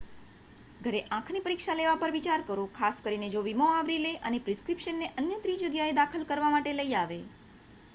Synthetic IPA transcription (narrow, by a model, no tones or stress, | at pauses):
ɡʱəɾeʔãkʰnipəɾikʃaleʋapəɾʋit͡ʃaɾkəɾõkʰaskəɾined͡ʒoʋimoaʋɾileʔənepɾɪskɾipʃənːeʔənjət̪ɾid͡ʒəɡjaed̪akʰəlkəɾʋamaʈeləiaʋe